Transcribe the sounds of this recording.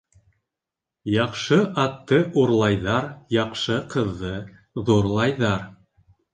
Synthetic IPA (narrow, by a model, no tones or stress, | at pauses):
jɑqʃɤʔɑt̪ːɤʔuɾlˠɑjðɑɾjɑqʃɤqɤ̆ðːɤ | ðuɾlˠɑjðɑɾ